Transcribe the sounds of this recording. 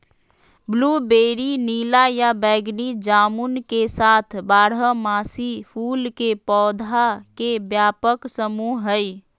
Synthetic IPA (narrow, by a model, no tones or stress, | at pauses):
blubeːɾiniːlajabɛːɡnid͡ʒaːmunkesaːt̪ʰbaːɽəmaːsipʰuːlkepɔːd̪ʱakebjaːpəksəmuɦɦəj